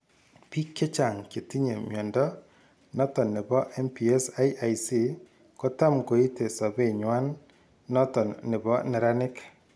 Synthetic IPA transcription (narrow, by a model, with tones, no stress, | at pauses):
pi˦kːe˦t͡ʃa˨ŋke˨ti˦ɲe˨mjɔ˨ndɔ˦ | nɔ˦tɔ˨nːɪ˨bɔ˦ʔɛ˦mpi˨e˦sa˦jʔa˨jsi˦ | ko˦ta˦mko˨i˦te˨sɔ˨be˦˨ɲwa˦nː | ɔ˦tɔ˨nːɪ˨bɔ˦nɛ˨ɾa˦nɪ˦k